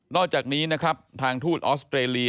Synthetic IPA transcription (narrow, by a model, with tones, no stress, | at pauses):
nɔː˥˩k̚t͡ɕaː˨˩k̚niː˦˥na˦˥kʰɾa˦˥p̚t̪ʰaː˧ŋt̪ʰuː˥˩t̪̚ʔɔː˦˥st̪ʰɾeː˧li˧